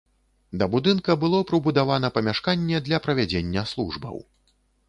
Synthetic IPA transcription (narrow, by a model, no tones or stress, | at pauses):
d̪ɐbud̪ɨnkɐbɨlˠɔpɾɨbud̪avanɐpɐmʲaʂkanʲːɛd̪lʲɐpɾɐvʲad͡zʲenʲːɐslˠuʐbɐ̰w